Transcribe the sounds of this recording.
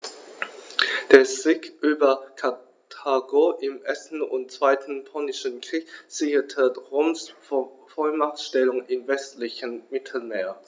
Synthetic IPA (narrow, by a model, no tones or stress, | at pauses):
d̥eːɐzɪːkʔyːbɐkʰa | tʰaːɡoʔɪmʔɛsn̩ʊ̰nt̚t͡sv̥aɪtʰn̩pʰɔnɪʃənkʁ̥iːkz̥ɪçətʰəʁoːms | fɔlmaχtʃtɛlʊŋɪmvɛstlɪçənmɪtʰl̩meːɐ